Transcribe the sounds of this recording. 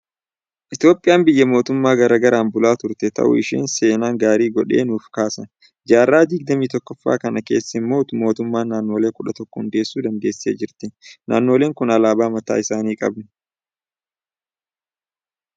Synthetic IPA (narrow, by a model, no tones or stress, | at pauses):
ʔɪt̪ɪjo̞ːpʼːɪjaːmbɪjːɐmo̞ːt̪ʊmːaːɡɐɾɐɡɐɾaːnbʊlaːt̪ʊɾt̪ɛt̪ʰɐ̰ʔʊ̰ɪʃḛːnse̞ːnaːŋɡaːɾiːɡɔᶑe̞̰ːnuːfkaːsɐn | d͡ʒaːrːaːd̪ɪɡ̚d̪ɐmiːt̪ɔkːɔfːa̰ːkɐnɐke̞ːsːɐɪmːo̞ːt̪ʊmo̞ːt̪ʊmːaːnːaːnːo̞ːle̞ːkʊᶑɐt̪ɔkːɔhʊnd̪eːsːuːd̪ɐnd̪e̞ːsːe̞̰ːd͡ʒɪɾt̪ɪnʔa̰ːnːo̞ːle̞ːŋkʊnɐlaːbaːmɐt̪a̰ːɪsaːniːkʼɐ̰bnɪ̥